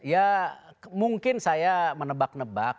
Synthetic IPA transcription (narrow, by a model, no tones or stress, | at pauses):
ja | muŋkɪnsajamənəbak̚nəbak̚